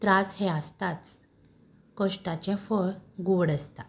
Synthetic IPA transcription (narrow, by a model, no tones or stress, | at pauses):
t̪ɾashɛ̃əst̪at͡s | kəʂʈat͡ɕɛ̃fəɭɡoɽəst̪a